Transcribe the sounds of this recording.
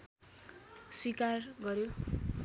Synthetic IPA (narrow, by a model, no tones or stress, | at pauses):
swikarɡʌɾjo